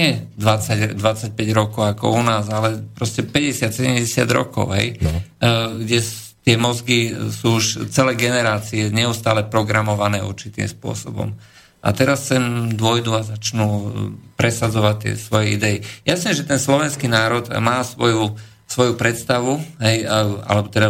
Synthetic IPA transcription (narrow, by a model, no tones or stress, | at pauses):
ɛd̪ʋat͡saɟd̪ʋat͡sac̚pɛɟɾɔkɔʊakɔ̰unaːzalɛpɾɔscɛpɛɟɛsɪat̪sɛɟɛmɟɛsɪa̰d̪ɾɔ̰kɔ̰ʊɦɛ̰j | ɡɟɛ | t̪ɪɛmɔzɡisuːuʃt͡sɛlɛːɡɛnɛɾaːt͡siɛɲɛust̪aːlɛpɾɔɡɾamɔʋanɛːṵɾt͡ʃit̪ḭːmspʊɔ̰sɔbɔ̰m | ʔa̰t̪ɛɾasːɛmd̪ʊɔjd̪uazat͡ʃnupɾɛsad͡zɔʋact̪ɪɛ̰sʋɔjɛḭd̪ɛijasnɛʒɛt̪ɛnslɔʋɛnskiːnaːɾɔt̪maːsʋɔju | sʋɔjupɾɛt̪st̪aʋuɦɛja̰lɛbɔt̪ɛd̪a